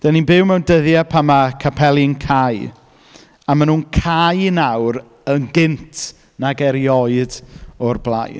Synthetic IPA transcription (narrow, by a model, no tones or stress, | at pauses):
d̥ɛninbɪwmɛwndəðjapʰamakʰapʰɛlˠɪŋkʰaj | amanuːnkʰajnawɾ | ənɡɪntʰ | naɡɛɾjɔɨdɔrblˠa̰jn